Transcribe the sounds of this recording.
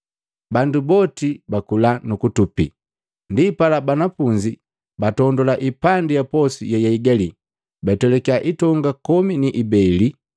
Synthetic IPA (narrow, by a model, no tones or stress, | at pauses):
bandubɔtibakulanukutupḭ | ndipalabanapuɲd͡ʒi | batɔndɔlaʔipandijapɔsḭjajaiɡali | batɛlɛkiaʔitɔŋɡakɔminiʔibɛli